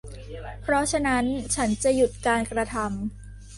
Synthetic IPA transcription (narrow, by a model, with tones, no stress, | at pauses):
pʰɾɔ˦˥t͡ɕʰa˧na˦˥nt͡ɕʰa˦˥nt͡ɕa˨˩ju˨˩t̪̚kaː˧nkɾa˧t̪ʰa˧m